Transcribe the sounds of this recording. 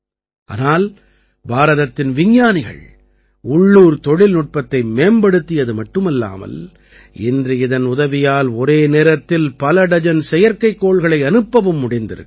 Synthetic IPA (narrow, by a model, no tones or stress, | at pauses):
ʔa̰ːnaːl | baːɾɐðɐt̪ːɪnʋɪɲːaːnɪɣɐ̰ɭ | ʊɭːuːɾt̪ɔɻɪlnʊʈ̚pɐt̪ːɐɪmeːmbɐɽɯt̪ːɪjɐðɯmɐʈːɯmɪlːa̰ːmɐ̰l | ɪ̰ndrɯɪðɐnʊðɐʋɪjaːlɔɾeːneːɾɐt̪ːɪlpɐlɐɽɐd͡ʒɐnsɛjɐɾkɐɪkːoːɭɣɐɭɐɪɐnɯpːɐʋɯmːʊɽɪnd̪ɪ̰ɾɯ̰